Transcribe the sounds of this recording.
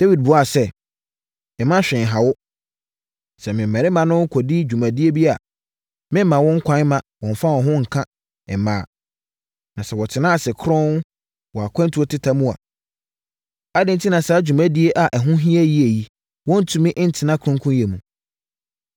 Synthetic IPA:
d̥e˦wi˨d̚bʊ˨a˨sɛ˦ | ɛ˨mã˦ɕᶣɛ̃˨n˨ɦa˨wʊ˦ | sɛ˨mɪ̃˨m̩˨mɛ̃˨ɾɪ˦mã˨nʊ̃˦ŋ̩˦kʰɔ˨di˦d͡ʑᶣu˨mã˨di˦e˦bi˦a˨ | mɪ̃˦mã˨wɔ̃˦ŋ̩˦kʷʰã˨˦mã˨wɔ̃˨ɱ˨fa˦wɔ̃˨ɦʊ̃˦ŋ̩˨kʰã˦ | ɛ˨mãː˨ | nã˨sɛ˨wɔ˨tʰɪ˨nã˦a˨sɪ˨kʰɾɔ̃˦ | wɔ˨a˨kʷʰɛ̃˦n˦tʰu˦o˦tʰɪ˦tʰa˦mũ˦a̰˨ | a˦dɪ̃˦n̩˦tʰi˦nã˨sa˨˦d͡ʑᶣu˨mã˦di˦e˦ʔa˨ʔɛ˨ɦʊ̃˦ɦĩ˦æ˦ji˦e˨ji˦ | wɔ̃˦n̩˦tʰũ˨˦mɪ̃˦ʔɪ˦n̩˦tʰɪ˨˦nã˦kʰʊ̃˦ŋkʰũ˦je˨mũ˨

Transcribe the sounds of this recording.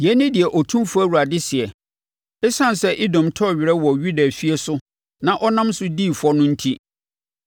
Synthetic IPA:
jɛ˨˦nɪ̃˦dɪ˨ɛ˨ʔɔ˨tʰũ˦mfæ˦wu˨ɾa˨dɪ˦sɪ˨ɛ˨ | ɛ˦sã˦n˨sɛ˦ʔi˦dɔ̃˨mtʰɔ˦˨ɥɪ˨ɾɛ˦wɔ˨ɥu˦da˨fi˦e˦sʊ˦ | nã˦ʔɔ˦nã˦msʊ˦diː˦˨fʊ˨˦ɔ˦nʊ̃˦n̩˦tʰi˦

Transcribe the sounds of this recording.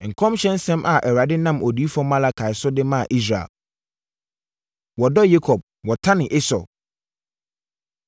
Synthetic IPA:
ŋ̩˨kʰɔ̃˦mɕɛ̃˦n˦sɛ̃˦mʔa˨ʔɛ˨ɾa˨dɪ˦nã˦mʔo˨di˦fɔ̃˦mã˦la˦kʰa˨ɪ˨sʊ˦dɪ˦mã˦˨ʔi˦s̬ɾa̰˨l | wɔ˨dɔ˦je˦kʰɔ˨b̚ | wɔ˨tʰã˦nɪ̃˨ʔe˦sɔ̰˨

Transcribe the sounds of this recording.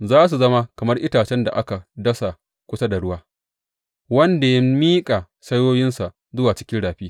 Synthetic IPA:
zaː˦s̬u˨zɐ˦ma˦kɐ˨mɐ˦rʔɪ˦taː˨t͡ʃɛ˦nda̰˨ʔa˦ka˨dɐ˦sa˨ | kʷʊ˦sa˦da˨ɽʊ˦waː˦ | wɐ˦nda˨ja˦miː˦kʼa˨ | sɐ˦joː˦jɪ˦nsa˨ʔ | zʊ˦waː˨t͡ʃɪ̥˦kʲɪ˦nɽaː˨ɸiː˦

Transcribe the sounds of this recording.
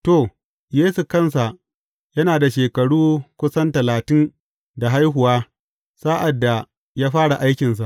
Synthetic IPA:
to˨ | jeː˦su˨kɐ˦˨ns̬a˨ʔ | jɐ˦naː˨da˨ʃeː˨kɐ˨ɽuː˦kʷʊ˦sɐ˦ntɐ˨laː˨tɪ˦n | da˨ɦa˦jɦʊ˨waː˦ | saː˦ʔa˨dːa˨ | jaː˦ɸaː˦ɽa˨ʔa˦jkʲɪ˨ns̬a˨ʔ

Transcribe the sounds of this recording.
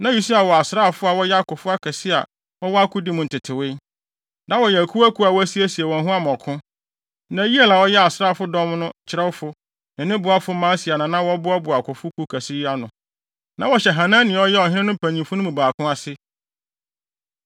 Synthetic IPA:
nã˦ju˨su˦a˨wɔ˨a˨sɾa˦˨fʊ˦a˨wɔ˦jɛ˦a˦kʊ˨fʊ˦a˦kʰɛ˨sɪ˦a̰˨ | wɔ˦wɔ˦a˦kʰʊ˦di˦mʊ̃˨n̩˨tʰɪ˨tʰɪ˨wɪ˦ | nã˦wɔ˨jɛ˨æ˨kʰu˦æ˦kʰu˦a˨wɔ˦æ˦si˦æ˦si˨ɛ˨wɔ̃˨ɦʊ̃˦a˦mɔ̃˨kʰʊ̃˦ | nã˨˦ji˦e˨la˨wɔ˦jɛ˦a˨sɾaː˦˨fʊ˦dɔ̃˦mnʊ̃˦˨t͡ɕʰɪ˦ɾɛ˦wʊ˦fʊ˦ | nɪ̃˨nɪ̃˦bʊ˨a˦fʊ˦mãː˦si˨a˨nã˨nã˦wɔ˦bʊ˦ɔ˦bʊ˨a˨kʰʊ˨fʊ˦kʰu˦kʰæ˨sɪ˦ja˦nʊ̃˨ | nã˨wɔ˨ɕɛ˨ɦã˨nã˦nɪ̃˨ɔ˦jɛ˦ɔ˨ɦɪ̃˦nɪ̃˦nʊ̃˦pʰæ̃˨ɲĩ˨mfʊ˦nʊ̃˦mũ˨baː˨kʰʊ̃˦a˦sɪ˦

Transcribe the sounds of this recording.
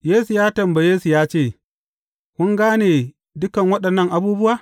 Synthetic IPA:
jeː˦su˨jaː˦tɐ˨mba˨jeː˦su˨jaː˦t͡ʃeː˦˨ | kʷʊ˦ŋɡaː˦neː˨ | dʊ˦kɐ˨ŋwɐ˦ɗɐ˨nːɐ˦˨ŋʔa˨buː˦bʊ˦waː˨

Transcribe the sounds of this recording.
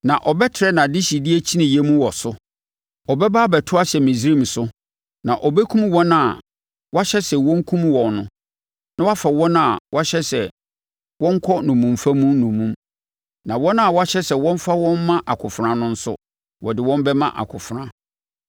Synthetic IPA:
nã˨ʔɔ˨bɛ˦tʰɪ˨ɾɛ˦nã˨dɪ˦ɕi˨di˦e˦t͡ɕʰi˦nĩ˨jɛ˦mũ˦wɔ˨sʊ˦ | ɔ˨bɛ˦baː˦bɛ˨tʰʊ˦a˦ɕɛ˨mĩ˨sɾi˦˨m̩˨sʊ˦ | nã˨ʔɔ˨bɛ˦kʰũ˦mwɔ̃˦na˨ | wa˦ɕɛ˦sɛ˨wɔ̃˦ŋ̩˦kʰũ˦mwɔ̃˨nʊ̰̃˦ | nã˦wa˦fa˨wɔ̃˦na˨wʔa˦ɕɛ˦sɛ˨ | wɔ̃˦ŋ̩˦kʰɔ˦nũ˨mũ˨mfã˦mũ˦nũ˨mũ˦m | nã˨wɔ̃˦n˦a˨wa˦ɕɛ˦sɛ˨wɔ̃˦ɱ˦fa˦wɔ̃˦mː˦ã˦ʔa˨kʰʊ˨fɾã˨nʊ̃˦n̩˦sʊ̰˦ | wɔ̰˨dɪ˨wɔ̃˦m˦bɛ˦mã̰˦ʔa̰˨kʰʊ˨fʊ˨ɾã˦

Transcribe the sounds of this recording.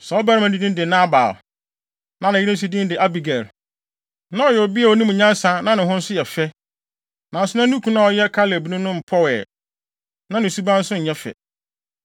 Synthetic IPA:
sɛ˨ɔ˦bæ˦ɾɪ˦mã˨di˦nĩ˦n˦dɪ˨nã˦ba̰ː˨l | nã˨nã˨ɪ˦ɾɪ̃˦n˦s̬u˦dĩ˦n˦dɪ˨ʔa˦bi˨ɡæ˨ɾ | nã˦ɔ˨jɛ˨ɔ˨bi˦a˨ɔ˦nĩ˦m̃˨ɲã˦n˦sã˨nã˦nɪ̃˨ɦʊ̃˦n̩˦sʊ˦jɛ˨fɛ˦ | nã˨n̩˨sʊ˦nã˦nũ˦kʰũ˦nã˦˨ɔ˨jɛ˦kʰa˦lɪ˨æ˨bi˨nũ˦nʊ̃˦m̩˨pʰɔ˦wɛ̰ː˨ | nã˦nɪ̃˨su˦bã˦n̩˦sʊ̃˦˨ɲɛ˦fɛ̰˨

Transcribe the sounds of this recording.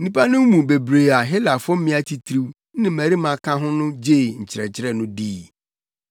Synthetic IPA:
n̩˦nĩ˦pʰa˦nʊ̃˦mũ˨be˨bɾeː˨a˨ɦɪ˦la˨fʊ˦m˦mɪ̃˦a˦tʰi˨tʰɾi˦wnɪ̃˦mæ˨ɾi˦mã˨kʰã˦ɦʊ̃˦nʊ̃˦d͡ʑeː˦˨ɲ̩˨t͡ɕʰɪ˨ɾɛ̰˨t͡ɕʰɪ˦ɾɛ˦˨nʊ̃˦diː˦

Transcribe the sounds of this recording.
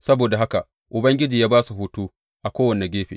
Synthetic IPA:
sɐ˦boː˨da˨ɦa˦ka˨ | ʔʊ˨bɐ˦ŋɡʲɪ˦d͡ʒiː˨jaː˦baː˦su˨ɦu˦tuː˦ | ʔa˨kʷoː˦wɐ˨nːɛ˨ɡʲeː˦ɸḛ˨

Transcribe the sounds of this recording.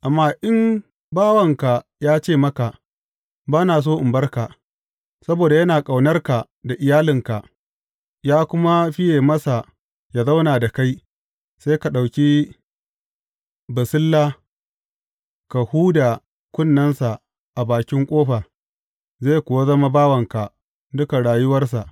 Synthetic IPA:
ʔa˨mːaː˦ʔɪ˦m | baː˦wɐ˨ŋka˨jaː˦t͡ʃeː˦˨mɐ˦ka˨ | baː˦naː˨s̬oː˦ʔɪ˨mbɐ˦rka˨ | sɐ˦boː˨da˨jɐ˦naː˨kʼa˨wnɐ˦rka˨ | da˨ʔɪ˨jaː˦lɪ˨ŋka˨ʔ | jaː˦kʷʊ˦ma˦ɸɪ˦jeː˨mɐ˦sa˨ | ja˨za˦wnaː˨da˨ka˦j | sa˦ka˨ɗa˨wkʲi˦ | bɐ˨sɪ˦lːaː˦ | ka˨huː˦da˨ | kʷʊ˦nːɐ˦nsa˨ | ʔa˨baː˨kʲɪ˦ŋkʷʼoː˦ɸa˨ | zeː˦˨jkʷʊ˨wa˦zɐ˦ma˦baː˦wɐ˨ŋka˨ | dʊ˦ka˨ɽaː˨jʊ˦wɐ˦rs̬a˨ʔ

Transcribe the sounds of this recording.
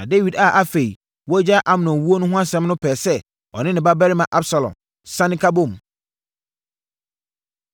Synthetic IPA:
nã̰˨de˦wi˨da˨ʔa˦fe˨i˨ | wɔ˦d͡ʑa˦ʔa˨m˨nɔ̃˨wu˦o˦nʊ̃˦ɦʊ̃˦a˦sɛ̃˦mnʊ̃˦pʰɛː˨sɛ˦ | ɔ̰˨nɪ̃˦nɪ̃˨ba˦bɛ˦ɾɪ˦mã˨ʔa˦bsa˨lɔ̰̃˨m | sã˦nɪ̃˦kʰa˦bõ˦˨m

